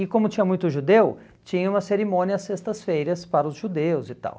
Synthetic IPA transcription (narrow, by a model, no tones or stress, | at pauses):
ɪkõmʊt͡ʃĩɲɐmũj̃t̪ʊʒud̪ew | t͡ʃĩɲɐũmɐseɾimõnʲiɐɐsest̪ɐsfejɾɐspaɾɐʊzʒud̪ewʊzɪt̪a̰w